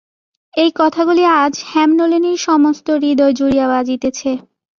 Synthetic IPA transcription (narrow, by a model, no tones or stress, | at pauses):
ejkɔt̪ʰaɡuliad͡ʑhɛmnoliniɾʃɔmost̪oɾid̪ɔed͡ʑuɾijabad͡ʑit̪et͡ɕʰe